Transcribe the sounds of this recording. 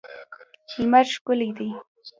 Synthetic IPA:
himaɾʃkʊlid̪i

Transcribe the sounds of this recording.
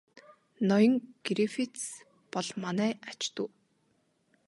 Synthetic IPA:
nɔjɞ̆ŋɡ̥ɾifit̪s | pɔɮmanæːat͡ɕt̪ŭː

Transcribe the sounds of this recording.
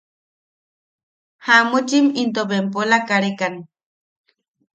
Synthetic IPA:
hamut͡ʃimint̪obempolakaɾekan

